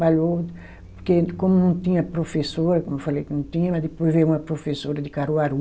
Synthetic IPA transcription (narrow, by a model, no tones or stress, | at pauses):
baʎow | poɾkekõmʊnɐ̃w̃t̪ĩɲɐpɾofesoɾɐkõmʊewfalejkɪnɐ̃w̃t̪ĩɲɐmɐd̪ɪpojzvejũmɐpɾofesoɾɐd̪ɪkaɾuaɾu